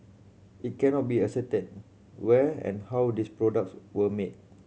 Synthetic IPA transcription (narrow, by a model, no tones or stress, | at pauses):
it̚kɛ̃nɔt̚biəsɛtət̚ | wɛɛ̰̃nhawdispɹɔdak̚swəmet̚